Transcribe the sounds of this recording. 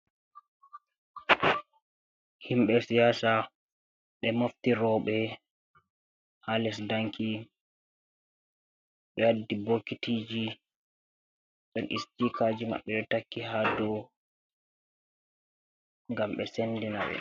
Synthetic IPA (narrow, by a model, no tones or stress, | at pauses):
himɓɛsijaːsa | ɓɛmoftiɾɔɓɛ | halɛsdaŋkʰi | ɓɛwadibokːitiːd͡ʒi | ɗɔnʔḭstikaːd͡ʒima̰ɓːɛɗɛtakːiɦadɔ | ŋɡamɓɛsendinaɓɛ̰